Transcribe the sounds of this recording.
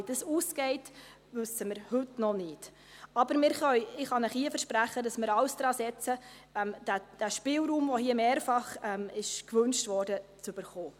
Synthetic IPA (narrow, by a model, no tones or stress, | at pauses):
id̥əsuːsɡ̥ɛɪt | ʋʉsəmɪɾhɵtnɔnɪːt | ɑbəɾmɪɾχœʏɪχɑnəχiəfəɾʃpɾæχədɑsmɪɾɑwsd̥ɾɑːsɛt͡sə | ɛmd̥æd̥æʃpɪlɾuːmʋohiəmeːɾfɑχɛmɪʃkʋɵnʃtvɔːɾd̥ət͡sʉb̥əɾχoː